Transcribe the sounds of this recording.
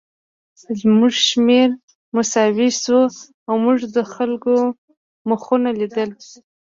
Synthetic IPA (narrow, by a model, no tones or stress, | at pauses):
zmuʐʃmeɾ | mʊsɑwisu | awmuʐd̪əxalko | məxunalid̪əl